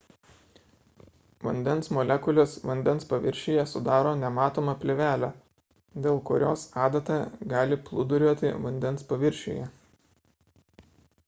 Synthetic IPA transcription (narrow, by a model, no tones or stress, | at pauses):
ʋɐ̰nʲd̪ʲɛnsmɔlʲɛkʊlʲoːsʋɐnʲd̪ʲɛnspɐʋʲɪɾʲʃʲeːjɛsʊd̪ɑːɾoːnʲɛmɑːt̪oːmɐpʲlʲeʋʲæːlʲæː | d̪ʲeːlˠkʊɾʲo̰ːsɑːd̪ɐt̪ɑːɡɑːlʲɪplˠʊd̪ʊɾʲuːt̪ʲɪ̰ʋɐnʲd̪ʲɛnspɐʋʲɪɾʲʃʲḛːjɛ